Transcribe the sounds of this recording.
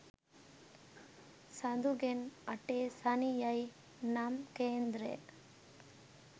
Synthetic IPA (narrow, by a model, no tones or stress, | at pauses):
sɐd̪uɡenɐʈesɐnijɐj | namkeːnd̪ɾḛ